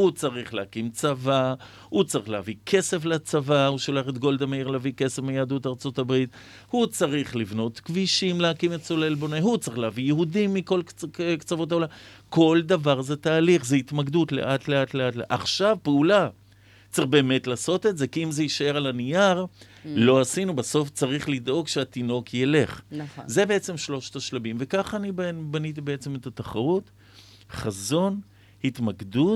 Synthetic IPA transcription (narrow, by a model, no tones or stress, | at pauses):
hut͡saʁiχleakimt͡sava | hut͡saʁiχleavikʰe̞se̞flat͡savahuʃolaχet̪ɡo̞ld̪ameiʁleavike̞sefmejaːd̪utaʁt͡so̞tabʁit | hut͡saʁiχlivno̞t̪kviʃimleakimet͡solelbo̞neɦut͡saʁiχleavijeɦudimːiko̞lkt͡savo̞t̬aolako̞ld̪avaʁze̞t̪aːliχzeit̪maɡd̪utle̞̰ʔatle̞atleatleʔa̰χʃavpeula | t͡saʁiχbe̞ːme̞tlaːso̞t̪e̞tze̞kiimzeiʃae̞ʁalanijaʁ | lo̞asinubaso̞ft͡saʁiχlid̪o̞ɡʃeat̪ino̞kjele̞χnze̞be̞et͡se̞mʃlo̞ʃt̪aʃlabimve̞kaχanibbanit̪̬ibe̞et͡se̞me̞t̪at̪aχaʁut | χazo̞n | hit̪maɡdut